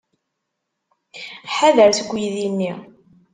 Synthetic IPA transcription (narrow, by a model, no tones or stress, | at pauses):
ħaðəɾθɡʷːjiðinːi